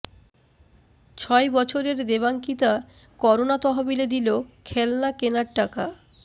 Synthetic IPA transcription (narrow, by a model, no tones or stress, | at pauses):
t͡ɕʰɔebɔt͡ɕʰoɾeɾd̪eβaŋkit̪a | kɔɾonat̪ɔɦabiled̪ilokʰɛlnakenaɾʈaka